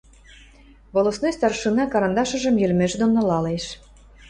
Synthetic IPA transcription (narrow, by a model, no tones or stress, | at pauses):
ɣolˠosnojst̪ɑrʃɯnɑkɑɾɑnd̪ɑʃɤ̆ʒə̆mjølmeʒd̪onːolɑleʃ